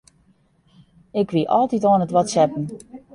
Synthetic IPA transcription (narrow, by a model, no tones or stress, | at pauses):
ɪkʋiʔɔlˠtitɔːənətʋɔtsɛpən̩